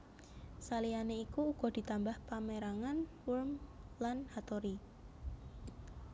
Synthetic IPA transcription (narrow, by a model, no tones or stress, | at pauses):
salianeikuːɡ̥ɔ̤d̪̥i̤t̪ambahpameɾaŋanwulmlanhat̪oɾi